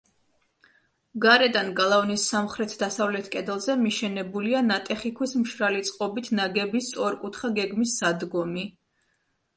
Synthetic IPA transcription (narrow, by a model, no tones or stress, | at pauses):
ɡaɾɛd̪anɡalˠavnisːamχɾɛt̪ʰd̪asavlɛt̪ʰkʼɛd̪ɛlˠzɛmiʃɛnɛbulianat̪ʼɛχikʰwismʃɾalit̪sʼqʼɔbit̪ʰnaɡɛbist̪sʼɔɾkʼut̪ʰχaɡɛɡmisːad̪ɡɔmi